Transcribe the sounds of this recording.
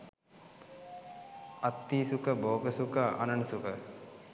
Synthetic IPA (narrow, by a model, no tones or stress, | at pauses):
ɐt̪ːiːsukəboːɡəsukəɐ̰nɐnsukə